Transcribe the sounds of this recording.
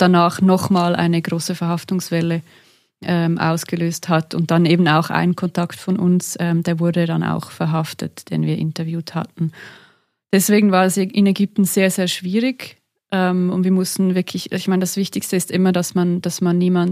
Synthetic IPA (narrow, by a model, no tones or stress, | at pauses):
d̥anaːχnɔχmaːlʔa̰ɪnəɡʁoːsəfɛɐhaftʊŋsv̥ɛlə | ʔɛːmʔa̰ʊsɡ̥əløːsthatʊnt̚d̥aneːbn̩a̰ʊxʔa̰ɪnənkʰɔntʰaktfɔnʔʊ̰nsɛːmd̥eːɐvʊɐdədana̰ʊxfɛɐɦaftə̰td̥ḛːnviːɐʔɪ̰ntɐvjuːtha̰tn̩ | d̥ɛsv̥eːɡŋ̩vaːɐɛsʔɪnɛɡʏp̚tn̩z̥eːɐzeːɐʃv̥iːʁɪɡ | ʔɛːmʊntv̥iːɐmʊstn̩vɪɐkʰlɪçɪçmaɪnədasv̥ɪçtɪçstəɪstʔɪmɐdasmand̥asmanːiːman